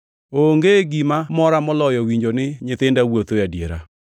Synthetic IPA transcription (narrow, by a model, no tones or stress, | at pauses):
oŋɡeɡimamɔɾamɔlɔjɔwiɲd͡ʒonɪɲɪtɪndawot̪ojadjeɾa̰